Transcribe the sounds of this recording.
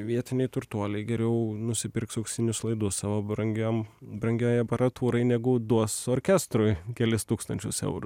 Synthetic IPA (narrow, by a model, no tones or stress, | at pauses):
ʋʲiɛt̪ʲɪnʲɛɪt̪ʊɾt̪uɔlʲɛɪɡʲɛɾʲɛʊnʊsʲɪpʲɪɾksɐʊksʲɪnʲʊslˠɐɪd̪ʊssɑːʋobɾɐŋɡʲoːmbɾɐŋʲɡʲoːjɐpɐɾɐt̪uːɾɐɪnʲɛɡʊd̪uɔsoːɾʲkʲɛst̪ɾʊjkʲɛlʲɪst̪uːkst̪ɐnʲt͡ʃʲʊsɛ̰ʊɾʊ